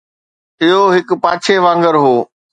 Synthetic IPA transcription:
ɪɦoɦɪk̆paːt͡ɕʰeʋãːŋɡəɾɦoː

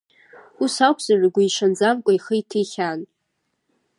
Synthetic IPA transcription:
usawpʰz̥arɡʷaiʂand͡zamkʷʼajχəjtʰiχʲan

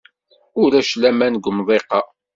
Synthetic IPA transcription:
ʊɾæʃlæmænɡʷmðˤeqɑ

